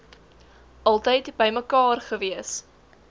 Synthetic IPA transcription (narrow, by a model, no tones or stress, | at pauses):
ʔɐlˠtəjtbəjməkɑːrχəviəs